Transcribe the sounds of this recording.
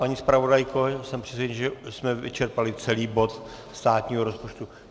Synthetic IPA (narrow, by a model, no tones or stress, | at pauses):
paɲiːspɾavo̞dajkosɛmpr̥ɛsvɛɲiʒɛsmɛvɪ̰t͡ʃɛɾpalɪt͡sɛliːbo̞t̪st̪aːt̪ɲiːɦoɾo̞spot͡ʃt̪u